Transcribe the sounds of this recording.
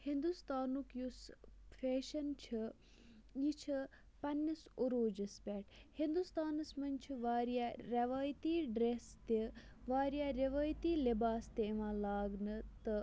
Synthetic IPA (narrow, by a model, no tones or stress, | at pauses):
hind̪ust̪aːnukjusfʰeːʃɐnt͡ʃʰi | jit͡ʃʰə | pɐnʲːɐsoɾoːd͡ʒɐspʲɛːʈʰhind̪ust̪aːnɐsmɐnt͡ʃʰiʋaːɾjaːɾʲɐʋaːjt̪iːɖɾeːst̪eʋaːɾijaːɾɐʋaːjt̪iːlibaːst̪eʋãːlaːɡnɨt̪ɨ